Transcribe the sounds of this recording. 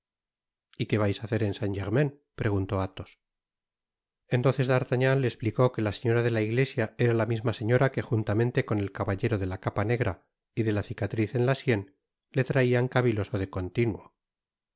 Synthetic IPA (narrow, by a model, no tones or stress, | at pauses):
ike̞βajsaθe̞ɾe̞nsaɲʝeɾmẽn | pɾe̞ɣ̞unt̪o̞at̪o̞s | e̞nt̪onθe̞zðaɾt̪aɲanlːe̞ːspliko̞ke̞lase̞ɲo̞ɾaðe̞laiɣle̞sjae̞ɾalamizmase̞ɲo̞ɾake̞xunt̪amẽ̞nt̪e̞ko̞ne̞lkaβaʎe̞ɾo̞ðe̞lakapane̞ɣɾa̰ | iðe̞lasikat̪ɾiθe̞nlasje̞n | le̞t̪ɾaiaŋkaβilo̞so̞ðe̞ko̞nt̪inwo